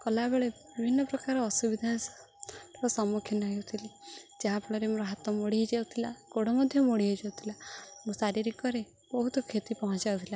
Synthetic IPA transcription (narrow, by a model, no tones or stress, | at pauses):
kɔlabeɭe | bibʱinːɔpɾɔkaɾɔːsubid̪ʱa | ɔsɔmukʰjɔnaɦewt̪ʰilid͡ʒaɦapɔɽ̃ɔɾemoɾɔɦat̪ɔmoɽiɦid͡ʒewt̪ʰila̰ɡoɽɔmɔd̪ʱjɔmoɽiɦɔd͡ʒawt̪ʰilamũsaɾiɾikɔɾe | bɔɦut̪ɔkʰet̪ipɔɦɔ̃t͡ʃawt̪ʰila